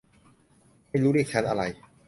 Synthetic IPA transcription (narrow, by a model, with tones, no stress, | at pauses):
ma˥˩jɾuː˦˥ɾiː˨˩k̚t͡ɕʰa˦˥nʔa˧ɾa˧j